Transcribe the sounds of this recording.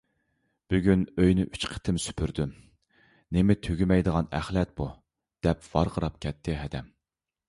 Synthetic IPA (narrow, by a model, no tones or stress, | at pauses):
b̥yɡʲynøjnɪʔyt͡ʃqʰə̥t̪ʰɪmsy̥pʰyɾd̪ym | nɪmɪt̪ʰøɡʲymɛjd̪əʁɑnæ̰χlɛt̪̚bu | d̪̥ɛpvɑɾʁʰəɾɑp̚kʲʰɛt̪ʰːɪɦɛd̪ɛm